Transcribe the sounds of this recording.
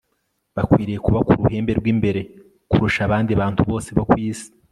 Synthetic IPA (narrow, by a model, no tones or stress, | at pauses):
βakwiːɾijekuβakuɾuhe̞ːmbe̞ɾɡwiːmbe̞ɾe̞ | kuɾuʃaβaːndiaβaːntuβo̞ːse̞βokwiːzi̥